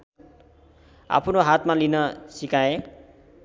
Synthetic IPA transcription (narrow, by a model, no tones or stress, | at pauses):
a̰pʰnoɦat̪malinʌsikae